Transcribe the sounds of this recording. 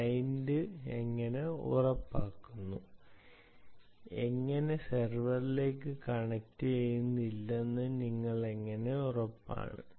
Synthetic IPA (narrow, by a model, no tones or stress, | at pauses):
ɐjndɨeŋːɐne̞ṵrɐpːaːkːunːu | e̞ŋːɐne̞serʋɐrile̞ːkːɨkɐɳɐk̚tːɨejunːilːenːɨniŋːɐɭe̞ŋːɐne̞urɐpːa̰ːɳɨ̰